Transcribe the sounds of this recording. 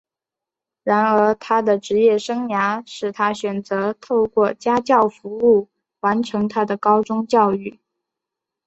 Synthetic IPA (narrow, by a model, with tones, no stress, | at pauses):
ɻa˧˥nə˞˧˥t̪ʰa˥d̪ə˨ʈ͡ʂɻ̩˧˥jɛ˥˩ʂɤ˥ŋja˧˥ʂɻ̩˥˩t̪ʰa˥ɕɥɛ˨˩nt͡sɤ˧˥t̪ʰo˥˧ʊkwɔ˥˩t͡ɕja˥t͡ɕjɑ˥˩ʊfu˧˥u˥˩ | wa˧˥nʈ͡ʂʰɤ˧˥ŋt̪ʰa˥d̪ə˨kɑ˥ʊʈ͡ʂʊ˥ŋt͡ɕjɑ˥˧ʊy˥˩